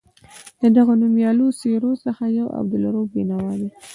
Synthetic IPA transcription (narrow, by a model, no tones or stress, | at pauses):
d̪əd̪aɣonumjɑloseɾosəxajawʔa̰b̚d̪ʊlaɾobenawɑd̪i